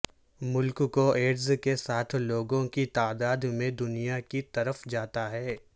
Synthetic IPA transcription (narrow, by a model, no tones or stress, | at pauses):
mʊlkkoeːɖzkesaːt̪ʰloːɡõkit̪aːd̪aːd̪mẽd̪ʊnijakit̪ɐɾəfd͡ʒaːt̪aɦɛː